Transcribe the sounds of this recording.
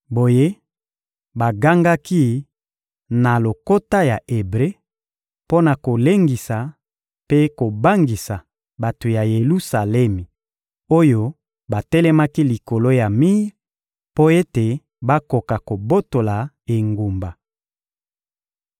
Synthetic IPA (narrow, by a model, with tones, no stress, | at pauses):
bo˨je˦ | ba˨ɡa˦ŋɡa˦ki˦ | na˨lo˨ko˦ta˦ja˨ʔe˨bʁe˦ | po˦na˨ko˨le˦ŋɡi˨sa˨ | pe˦ko˨ba˦ŋɡi˨sa˨ | ba˨to˨ja˨je˨lu˦sa˨lɛ˦mi˨ | o˦jo˦ | ba˨tɛ˦lɛ˦ma˦ki˦li˨ko˨lo˦ja˨mi˦ʁ | po˦e˦te˨ | ba˦ko˨ka˨ko˨bo˦to˨la˨ | e˨ŋɡu˨mba˨